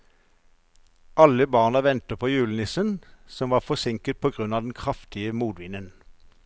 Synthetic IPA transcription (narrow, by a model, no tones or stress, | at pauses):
ʔɑləbɑːʁnɑʋɛnt̪əpʰoːjʉːlnɪsənsɔmʋɑːfɔsɪŋkət̪̚pʰoːɡʁʉnɑːd̪ɛn̩kʰʁɑft̪ɪəmuːd̪ʋɪnən